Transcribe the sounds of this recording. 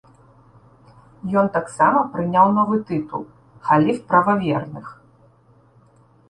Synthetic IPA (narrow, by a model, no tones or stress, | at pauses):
jɔnt̪aksamɐpɾɨnʲawnɔvɨt̪ɨt̪ṵlˠ | xalʲifpɾɐvavʲɛrnɨx